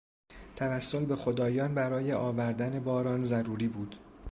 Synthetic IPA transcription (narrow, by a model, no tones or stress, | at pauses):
t̪ʰævæsːo̞lbe̞xo̞d̪ɒːjɒːnbæɾɒːje̞ʔɒːvæɾd̪æne̞bɒːɾɒːnzæɾuːɾiːbuːd̪̥